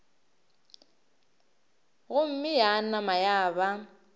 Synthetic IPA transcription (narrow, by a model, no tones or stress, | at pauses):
ɣʊm̩mɪjanamajaːβa